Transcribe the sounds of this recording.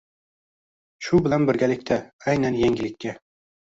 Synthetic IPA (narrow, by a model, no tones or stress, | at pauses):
ʃʊbɪlanbɪɾɡʲalɪkʲt̪ʰaajnanjeŋɡʲɪlɪkʲʰːa